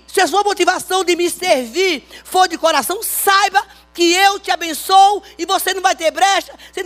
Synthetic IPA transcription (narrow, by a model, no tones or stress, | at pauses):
sɪɐs̬uɐmot̪ivasɐ̃w̃d̪ɪmɪseɾviɾfoɾd͡ʒɪkoɾasɐ̃w̃sajbɐ | kɪewt͡ʃ̪ɪabẽsowɪvosenɐ̃w̃vajt̪eɾbɾɛʃt̪ɐse